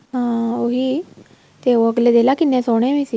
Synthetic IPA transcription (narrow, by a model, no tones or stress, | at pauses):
ɦãːoːɦiː | t̪eoəɡleːd̪eːlaːkɪnːẽsoːɽ̃ẽːmisiː